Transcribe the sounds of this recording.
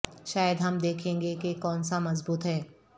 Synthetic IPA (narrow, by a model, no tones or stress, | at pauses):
ʃaːjəd̪ɦɐmd̪eːkʰẽːŋɡekekɔːnsamɐzbuːt̪ɦɛː